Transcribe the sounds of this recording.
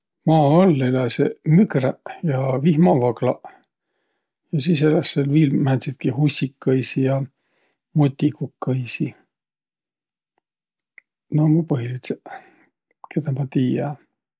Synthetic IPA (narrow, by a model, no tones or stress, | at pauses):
mɑːɑlːelɑsemykræjɑvihmɑvɑɡlɑ | jɑsiːselɑsːelviːlmænd̪sit̪̚kiɦusʲːikːɑjsijɑ | mut̪ʲːikukːɤjsi | nomɑpɤɦiit̪se | ket̪ɑmɑt̪iːjɑ